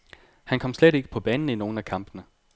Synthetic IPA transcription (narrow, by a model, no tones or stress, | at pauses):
hænkʰɒ̽m̰sleɾe̝ɡ̥ə̥pʰɒ̽b̥ɛːnn̩əino̝ːn̩ækʰɑ̈m̰b̥ənə